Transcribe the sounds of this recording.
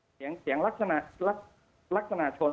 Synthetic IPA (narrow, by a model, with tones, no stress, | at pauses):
i˩˦əŋsi˨˩˦əŋɾa˦˥k̚sa˧na˧˩la˦˥k̚ | la˦˥k̚sa˧na˧t͡ɕʰo˧